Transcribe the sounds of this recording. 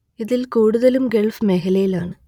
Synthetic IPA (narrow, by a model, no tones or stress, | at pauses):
iðilkuːɽuðɐlumɡeɭfɨmeːɦɐlɐjilaːɳɨ